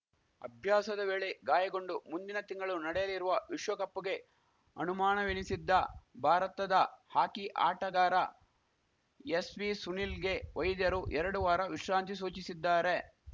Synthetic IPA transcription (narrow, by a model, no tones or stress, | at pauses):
ɐ̰bʱjaːsɐd̪ɐʋeːɭeɡaːjɐɡo̞ɳɖumund̪inɐt̪iŋɡɐɭunɐɽɛjɐliɾuʋɐʋiʃʋɐkɐpːuɡe̞ | ɐ̰numaːnɐʋinisid̪ːɐbʱaːɾɐt̪ɐd̪ɐhaːkiʔa̰ːʈɐɡaːɾɐ | esʋisunilɡe̞ʋɐjd̪jɐɾuʔɛɾɐɽuʋaːɾɐʋiʃɾaːnt̪is̬uːt͡ʃisid̪ːaːɾe̞